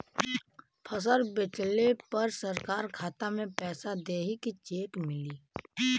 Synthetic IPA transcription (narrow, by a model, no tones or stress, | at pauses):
pʰəs̬əɾbɪt͡ʃlepɐɾsɐɾkaːɾkʰaːt̪amẽpɛːsad̪eːɦikit͡ʃeːkmɪliː